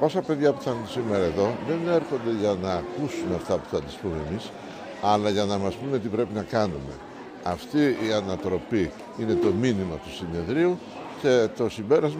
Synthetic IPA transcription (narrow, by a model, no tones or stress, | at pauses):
o̞sɐpe̞ðʝɐpuθɐxunt̪isimeɾɐe̞ðo̞ðe̞neɾxo̞nd̪e̞ʝɐnɐːkusunɐft̪ɐpu̥θɐt̪ispume̞mis | ɐlɐʝɐnɐmɐspunet̪ipɾe̞pinɐkɐnume̞̰ | ɐft̪iːɐnɐt̪ɾo̞pi | ine̞t̪o̞minimɐt̪u̥sine̞ðɾiu | cet̪o̞simbe̞ɾɐzm